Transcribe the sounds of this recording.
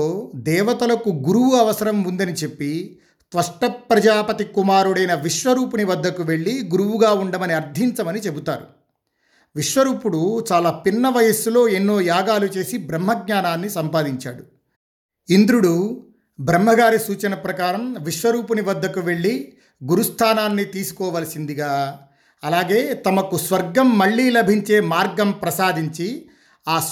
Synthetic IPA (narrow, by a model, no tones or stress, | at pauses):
oːd̪ɛːʋɐt̪ɐlɐkuɡuɾuʋuɐʋɐsɐɾɐmːund̪ɐnit͡ʃe̞pːi | sʋɐʂʈɐpɾɐd͡ʒaːpɐt̪ikumaːɾuɽɐjnɐʋiʂʋɐɾuːpuniʋɐd̪ːɐkuʋe̞ɭːiɡuɾuʋuɡaːuɳɖɐmɐniɐɾd̪ʱiɲt͡ʃɐmɐnit͡ʃe̞but̪aːɾu | ʋiʂʋɐɾuːpuɽut͡ʃaːlaːpinːɐʋɐjɐslo̞ːe̞nːo̞ːjaːɡaːlut͡ʃe̞ːsibɾɐmːɦɐɡ̚ɲaːnaːnːisɐmpaːd̪iɲt͡ʃa̰ːɽu | ind̪ɾuɽu | bʱɾɐm̤ːɐɡaːɾisuːt͡ʃɐnɐpɾɐkaːɾɐmʋiʂʋɐɾuːpuniʋɐd̪ːɐkuʋe̞ɭːi | ɡuɾust̪ʰaːnaːnːit̪iːsu̥kɔːʋɐːlɐsind̪iɡaː | ɐlaːɡe̞ːt̪ɐmɐkusʋɐɾɡɐmːɐɭːiːlɐbʱiɲt͡ʃe̞ːmaːɾɡɐmpɾɐsaːd̪iɲt͡ʃi | aː